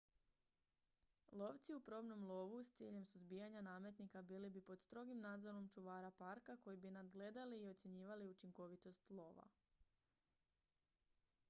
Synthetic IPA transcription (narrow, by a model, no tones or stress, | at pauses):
lˠo̞ʋt̪siupɾo̞ːbno̞mlˠo̞ʋust̪siːʎe̞msuzbijaɲanaːmjet̪nikabiːlibipo̞d̪st̪ɾo̞ɡimnaːd̪zo̞ɾo̞mt͡ʃuʋaːɾapaɾkako̞jibinad̪ɡle̞d̪aliːo̞t̪sje̞ɲiːʋaliut͡ʃiŋko̞ʋit̪o̞st̪lˠo̞ːʋa̰